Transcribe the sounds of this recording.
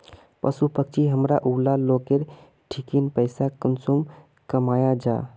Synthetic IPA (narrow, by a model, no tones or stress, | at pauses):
pəsupək̚t͡ʃʰiɦəmɾaʔulalokeɾ | ʈʰikinpəɪsakənsum | kəmajad͡ʒa̰